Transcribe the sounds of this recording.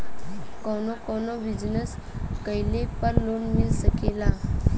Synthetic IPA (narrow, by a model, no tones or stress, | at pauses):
kɔnɔkɔnɔbid͡ʑnəskəjlepəɾlonmilsəkela